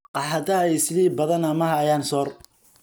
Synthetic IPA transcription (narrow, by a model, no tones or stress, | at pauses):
qɑħɐd̪ɐɛjsɪðiːbɐðɐnɐmɐɦajaːnsɔːr